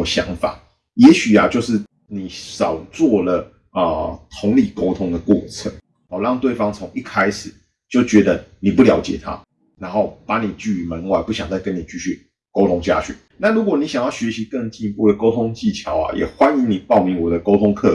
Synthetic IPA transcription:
ɕjɑ̰˧˥ŋfa̰˨˩ | jɛ˧˥ɕy˨˩a̰˨t͡ɕjo˥˧ʊʂɻ̩˥˩ | ni˨˩˦sɑ˨˩ʊt͡swɔ˥˩lə˩ | ə˨˩t̪ʰʊ˧˥ŋli˨˩ko˥ʊt̪ʰʊ˥ŋd̪ə˨kwɔ̰˥˩t͡sʰə˧˦ŋ | ɑ˨˩lɑ˥˧ŋt̪we˥˩ɪfɑ˥ŋt͡sʰo˧˦˥ŋi˥˩kʰa˥ɪʂɻ̩˨˩ | t͡ɕjo˥˩ʊt͡ɕɥɛ˧˥d̪ə˧ni˨˩pu˥ljɑ̰˧˥ʊt͡ɕjɛ̰˨˩t̪ʰa̰˦ | na˧˥nxo˥˩ʊpa˧˥ni˨˩t͡ɕy˥˩˨mə˧˦nwa˧˩ɪpu˥ɕjɑ˨ŋt͡sa˥˩ɪkə˦ni˨˩t͡ɕy˥˧ɕy˥˩ | ko˥ʊt̪ʰʊ˥ŋt͡ɕja̰˥˧ɕɛ̰˨˩˦nna˥˨lu˨˥kwɔ˨˩ni˨˦˥ɕjɑ˨˩ŋjɑ˥˩ʊɕɥɛ˧˥ɕi˧˦kə˥˧ŋt͡ɕi˥˧ŋpu˥˨˩d̪ə˩ko˥ʊt̪ʰʊ˥ŋt͡ɕi˥˩t͡ɕʰjɑ˨˥ʊa̰˨jɛ̰˨˩xwa˦ni˧˦ŋni˨˩pɑ˥˧ʊmi˧˥ŋwɔ˨˩d̪ə˦ko˥ʊt̪ʰʊ˥ŋkʰɤ̰˥˩

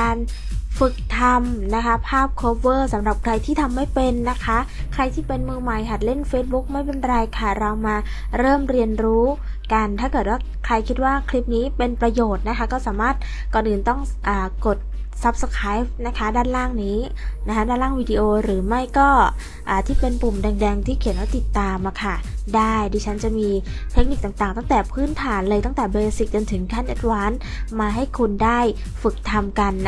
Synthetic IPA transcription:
kaː˧n | fɯ˨˩k̚t̪ʰa˧mna˦˥kʰa˦˥pʰaː˥˩p̚kʰoː˧p̚wɤː˥˩sa˩˦mɾa˨˩p̚kʰɾa˧jt̪ʰiː˥˩t̪ʰa˧mːa˥˩jpe˧nːa˦˥kʰa˦˥ʔkʰɾa˧jt̪ʰiː˥˩pe˧nmɯː˧ma˨˩jɦʰa˨˩t̪̚le˥˩nfeː˦˥t̪̚bu˦˥k̚ma˥˩jpe˧nɾa˧jkʰa˥˩ɾa˧wmaː˧ | ɾɤː˥˩mɾi˧ənɾuː˦˥ | ka˧nt̪ʰaː˥˩kɤː˨˩t̪̚waː˥˩kʰɾa˧jkʰi˦˥t̪̚waː˥˩kʰli˦˥p̚niː˦˥pe˧npɾa˧joː˨˩t̪̚na˦˥kʰa˦˥kɔː˥˩saː˩˦maː˥˩t̪̚ | kɔː˧nʔɯː˧nt̪ɔ˥˩ŋʔaː˨˩ko˨˩t̪̚ | sa˦˥p̚sa˧kʰaː˦˥jna˦˥kʰa˦˥daː˥˩nlaː˥˩ŋniː˦˥ | na˦˥kʰa˦˥daː˥˩nlaː˥˩ŋwiː˧di˧ʔoː˧ɾɯː˩˦ma˥˩jkɔː˥˩ | ʔaː˨˩t̪ʰiː˥˩pe˧npu˨˩mdɛː˧ŋdɛː˧ŋt̪ʰiː˥˩kʰi˩˦nwaː˥˩t̪i˨˩t̪ːaː˧mʔa˧kʰa˥˩daː˥˩jdiː˧t͡ɕʰa˦˥nt͡ɕa˨˩miː˧ | t̪ʰe˦˥k̚ni˨˩k̚t̪aː˨˩ŋt̪aː˨˩ŋt̪a˥˩ŋt̪ɛː˨˩pʰɯː˦˥˩nt̪ʰaː˩˦nlɤː˧jt̪a˥˩ŋt̪ɛː˨˩beː˧si˨˩k̚t͡ɕo˧nt̪ʰɯ˩˦ŋkʰaː˥˩nʔa˦˥t̪̚waː˦˥n | maː˧ɦa˥˩jkʰu˧ndaː˥˩j | fɯ˨˩k̚t̪ʰa˧mka˧nː

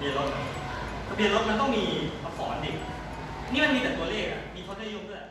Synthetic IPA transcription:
i˧lo˧˩˧sʰa˧pi˧lo˦˥ma˧nt̪ɔ˥˩ŋmiː˧a˧fɔ̰ː˩˦nde˨˩k̚ | niː˦˥ma˧nmiː˧t̪ɛː˨˩kt̪u˧ɐleː˥˩k̚a̰˨˩ʔmiː˧pʰɔː˧˥t̪i˥˨˦jo˧˥˩du˥˩˨

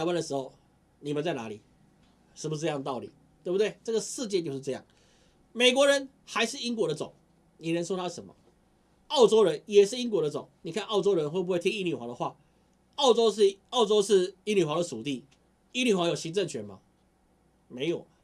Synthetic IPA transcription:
ɪwa˥nd̪ə˩ʂɻ̩˧˥xo˥˧ʊ | ni˨˩mə˨˦nt͡sa˥˩ɪna˧˥lḭ˨˩ | ʂɻ̩˥˩pu˧ʂ̬̩˥˧˥jɑ˥˧t̪ɑ˥˩ʊlḭ˨˩˦ | t̪we˥˩bu˨˧t̪we˥˩ɪʈ͡ʂə˥˩ɡə˨˩ʂɹ̩˥˧t͡ɕjɛ˥˧t͡ɕjʊʂ̩˥˧ʈ͡ʂɤ˥˧jɑ̰˥˩ŋ | me˨˩ɪkwɔ˧˥ɻə˧˦n | xa˧˥ɪʂɻ̩˥˩i˦˥nkwɔ˧˥ɾə˧t͡so̰˨˩˦ŋ | ni˨˩ɻə˧˦nʂwɔ˥t̪ʰa˥ʂə˧˦nmɐ̰˨ | ɑ˥˩ʊt͡so˥ʊɻə˧˦njɛ˨˩ʂɻ̩˥˩i˥ŋkwɔ˧˥ɾə˧t͡so̰˨˩˦ŋni˨˩kʰa˥˧nɑ˥˩ʊt͡so˥ʊɻə˧˦nxwe˥˩bu˥xwe˥ɪt̪ʰi˥ŋi˥ni˨˩xwa̰˧˥d̪ə˨xwa̰˥˩ | ɑ˥˩˧ʊt͡so˥ʊ˥˧ɑ˥˩ʊt͡so˥ʊʂɻ̩˥˩i˥ni˨˩xwa˧˥d̪ə˨˩u˨˩t̪i˥˩ | i˥ny˨˩xwa˧˥jo˨˩ʊɕi˧˥ŋt͡sə˥˩ŋt͡ɕʰɥɛ˧˥nma̰˨ | me˧˥ɪjo˨˩ʊ

